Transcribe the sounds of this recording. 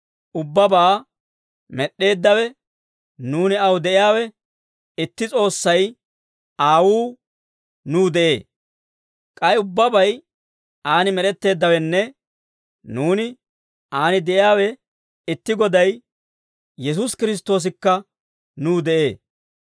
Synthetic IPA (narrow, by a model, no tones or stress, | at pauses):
ʔʊbːɐbaː | mɛɗe̞ːd̪ːɐwɛ | nuːnɪɐwd̪ɛʔɪjaːwɛ | ɪt̪ːɪt͡sʼo̞ːsːɐj | aːwuː | nuːd̪ɛʔe̞̰ː | kʼɐjʊbːɐbɐj | aːnɪmɛɾɛt̪ːe̞ːd̪ːɐwɛnːɛ | nuːnɪ | aːnɪd̪ɛʔɪjaːwɛ | ɪt̪ːɪɡɔd̪ɐj | jɛs̬uskɪɾɪs̬t̪ːo̞ːs̬ɪkːɐ | nuːd̪ɛʔe̞ː